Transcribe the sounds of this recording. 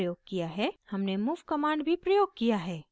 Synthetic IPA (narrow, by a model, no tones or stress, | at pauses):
joːɡ̚kijaɦɛːhɐmnemuːʋkɐmaːɳɖbʱipɾɐjoːɡ̚kijaɦɛː